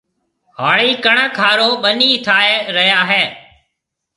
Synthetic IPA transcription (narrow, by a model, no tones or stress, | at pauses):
ɦaːɭiːkəɳəkʰaːɾõːɓəniːt̪ʰaːeːɾəɦjaːɦeː